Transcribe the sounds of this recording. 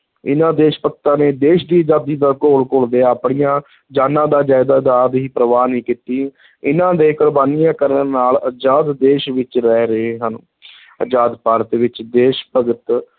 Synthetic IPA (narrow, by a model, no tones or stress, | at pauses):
ɪ̰nãːd̪eːʃpək̚t̪ãːneːd̪eːʃd̪iːəd͡ʒaːd̪iːd̪aːkoːlkold̪eːaːpɳijãː | d͡ʒaːnãːd̪aːd͡ʒaːjd̪aːd͡ʒaːd̪ɦiːpɾəʋaːnĩːkiːt̪iː | ɪnãːd̪eːkʊɾbaːnijãːkəɾnnaːləd͡ʒaːd̪ːeːʃʋɪt͡ʃɾɛːɾəeːɦən | əd͡ʒaːd̪paːɾət̪ʋɪt͡ʃd̪eːʃpəɡət̪